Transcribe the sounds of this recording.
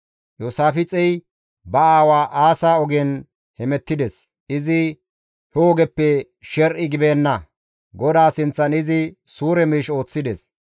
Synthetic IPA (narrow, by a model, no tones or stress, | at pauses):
joːsaːfɪt͡sʼɛj | bɐaːwaːʔaːsaːɔɡen | hɛmɛt̪ːɪd̪ɛs | ɪzɪ | hɛɔɡɛpːɛ | ʃɛɾʔɪɡɪbeːnːɐ | ɡɔd̪aːsɪnt͡sːɐnɪzɪ | suːɾɛmiːʃo̞ːt͡sːɪd̪ɛs